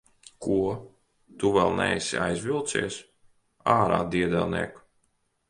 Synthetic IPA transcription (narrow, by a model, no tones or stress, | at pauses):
kuɔ | t̪uvɛlˠnɛ̰jsiajzvilˠt̪siɛs | aːɾa̰ːd̪iɛd̪ɛlˠnḭɛk